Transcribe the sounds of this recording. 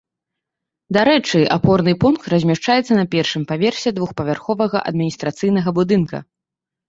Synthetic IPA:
d̪aɾɛt͡ʂɨapɔrnɨpunk̚t̪rɐzʲmʲaʂt͡ʂajɛt̪sːɐnɐpʲɛrʂɨmpavʲɛrsʲɛd̪vuxpɐvʲarxɔvɐɣɐ̰ʔɐ̰d̪mʲinʲist̪ɾat̪sɨjn̪ɐɣɐbud̪ɨnkɐ̰

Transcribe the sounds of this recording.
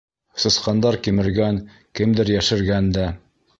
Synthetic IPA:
sɤ̆sqɑnd̪ɑɾkimɘ̆ɾɡæŋ | kɘmd̪ɘɾjæʃɘ̆ɾɡænd̪æ

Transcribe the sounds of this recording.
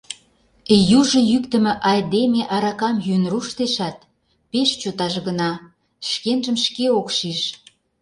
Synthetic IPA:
juʒɤ̆jykt̪ə̆mĕʔɑjd̪emeʔɑɾɑkɑmjynruʃt̪eʃɑt̪̚ | peʃt͡ɕot̪ɑʒɣənɑ | ʃkenʒə̆mʃkeokʃiʃ

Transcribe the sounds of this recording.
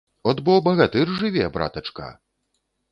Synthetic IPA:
ɔd̪bɔwbɐɣat̪ɨrʐɨvʲɛbɾa̰t̪ɐt͡ʂka̰

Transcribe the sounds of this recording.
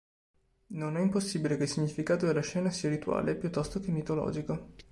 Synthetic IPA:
nonɛimposːibilekeilsiɲifikaːt̪od̪elaʃːɛːnasiːaɾit̪ua̰ːlepjut̪ːɔst̪okemːit̪olɔ̰ːd͡ʒiko

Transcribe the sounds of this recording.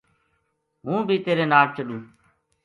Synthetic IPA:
ɦũːbʱiːt̪eːɾeːnaːlt͡ʃəɗũː

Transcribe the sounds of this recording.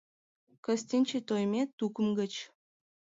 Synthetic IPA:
kə̆sʲt̪ʲinʲt͡ɕet̪ojmʲet̪ukə̆mɡə̆t͡ɕ

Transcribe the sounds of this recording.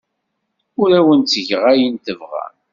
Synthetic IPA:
ʊɾæwənt͡sːəʝʁæjint̪əvʁæ̰n

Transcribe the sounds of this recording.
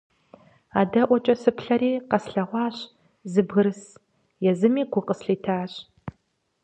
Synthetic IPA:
aːdɐʔʷɔt͡ʃʼɐsɨpʰɬɐɾiːqɐsɬɐʁʷɑːɕ | zɨbɣɨɾɨs | jɛzɨmiːɡʷʊqəsɬiːtʰaːɕ

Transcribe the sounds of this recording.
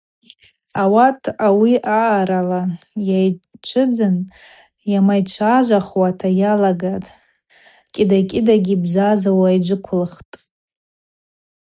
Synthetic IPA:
awatʰawiʔaːɾalajajt͡ʃʷʰɨd͡zɨn | jamajt͡ʃʷʰaʒʷaχwatʰajalaɡatʼ | kʲʼɪdakʲʼɪdaɡʲibzazawajd͡ʒʷɨkʷʰʊlχtʼ

